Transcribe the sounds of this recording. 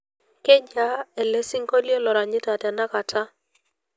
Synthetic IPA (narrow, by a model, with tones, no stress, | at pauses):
ke˦ɲa˦e˨le˦si˦ŋɡo˦ljo˦lɔ˨ɾa˨ɲɪ˦ta˨ta˨na˦ka˨tʰa˦